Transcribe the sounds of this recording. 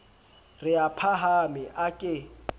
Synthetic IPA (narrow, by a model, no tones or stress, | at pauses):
rɪapʰaɦamɪʔakʼɪ